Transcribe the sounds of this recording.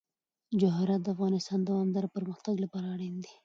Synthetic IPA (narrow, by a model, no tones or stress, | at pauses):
d͡ʒʊɦɾat̪̚d̪əafɣɑnɪst̪ɑnd̪awɑmd̪ɑɾapəɾməxt̪aɡlapɑɾaːɽend̪e